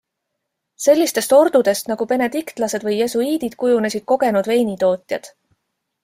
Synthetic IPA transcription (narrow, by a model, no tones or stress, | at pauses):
se̞lʲːist̪e̞st̪o̞ɾd̪̥ud̪̥e̞st̪nɑɡ̥upe̞ne̞d̪ikt̪ˑlɑse̞d̪vɤje̞suiːd̪̥id̪̥kujune̞sid̪̥̚ko̞ɡ̥e̞nud̪ve̞ːnit̪o̞ːt̪ʲˑjɑ̰d̪̥